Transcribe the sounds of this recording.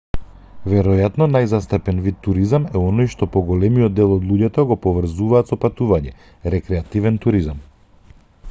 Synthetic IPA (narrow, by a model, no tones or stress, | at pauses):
vɛɾɔjat̪nɔnajzast̪apɛnvit̪ːuɾizamɛɔnɔjʃt̪ɔpɔɡɔlɛmijɔd̪ːɛlˠɔd̪lˠuɟɛt̪ɔɡɔpɔvr̩zuvaːt̪sɔpat̪uvaɲɛ | ɾɛkɾɛat̪ivɛnt̪uɾizam